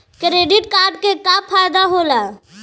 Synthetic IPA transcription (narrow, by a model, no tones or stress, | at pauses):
kɾeːɖɪʈkaːɾɖ̚kekapʰaːjd̪aɦoːla